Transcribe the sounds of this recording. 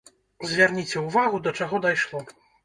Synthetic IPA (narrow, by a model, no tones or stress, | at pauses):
zʲvʲarnʲit͡sʲɛuvaɣud̪ɐt͡ʂaɣɔd̪ajʂlˠɔ